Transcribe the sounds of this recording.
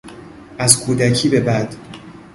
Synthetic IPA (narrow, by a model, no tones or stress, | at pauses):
ʔæzkʰuːd̪æcʰiːbe̞bæd̪̥